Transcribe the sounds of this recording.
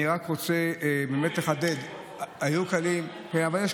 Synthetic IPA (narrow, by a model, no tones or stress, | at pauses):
iʁakʁo̞t͡se̞bemet̪leχad̪e̞d̪ | ajukalim | eavaljeʃ